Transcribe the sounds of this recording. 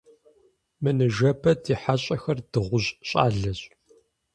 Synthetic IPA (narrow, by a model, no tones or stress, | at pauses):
mɨnɨʒɐpʰɐdʰiːħaɕʼɐxɐrd̥ɨʁʷʊʑɕʼa̰ːɮɐɕʼ